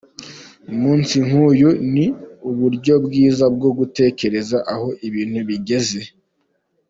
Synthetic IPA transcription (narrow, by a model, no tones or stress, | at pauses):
umuːnsiŋ̥uːjuniuβuɾɟo̞bɡiːzabɡo̞ɡute̞ːce̞ɾe̞zaʔaho̞ʔiβiːn̥huβiɟe̞ze̞